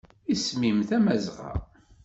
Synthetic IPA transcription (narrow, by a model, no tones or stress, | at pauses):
ismimθæmæzʁɑ̰